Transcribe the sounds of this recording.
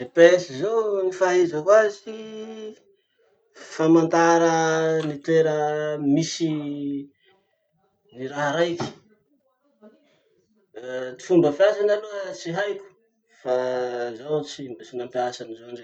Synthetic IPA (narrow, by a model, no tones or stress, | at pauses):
epesizownifaɦezəkwazi | famand̪aɾənit̪eɾəmisi | niɾaɦaɾajki̥ | t͡si̥fumbəfasanaluət͡siɦajku̥ | fazawt͡sibt͡sinampiasanizoaɳɖ͡ʐe